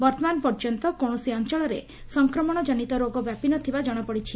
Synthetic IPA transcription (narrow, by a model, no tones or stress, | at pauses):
bɔɾt̪ʰɔmanpɔɾd͡ʒɔnt̪ɔkoɽ̃ɔsiɔnt͡ʃɔɭɔɾḛ | sɔŋkɾɔmɔɽ̃ɔd͡ʒɔɽ̃it̪ɔɾoɡɔbjapinɔt̪ʰibad͡ʒɔɽ̃ɔpɔɽit͡ʃʰi